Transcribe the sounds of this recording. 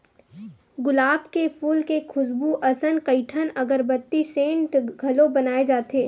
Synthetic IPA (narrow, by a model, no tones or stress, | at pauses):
ɡʊlaːbkepʰuːlkekʰʊsbuʔɐsənkɐɪʈʰənɐɡəɾbɐt̪ːisẽːɳʈɡʱɐlõbɐnaːed͡ʒaːt̪eː